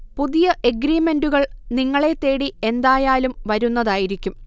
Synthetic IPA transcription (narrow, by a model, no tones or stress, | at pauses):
puðijɐʔeɡɾiːme̞nɖuɣɐɭniŋːɐɭe̞t̪ːe̞ːɽie̞nd̪aːjaːlumʋɐɾunːɐðaːjiɾikʲːum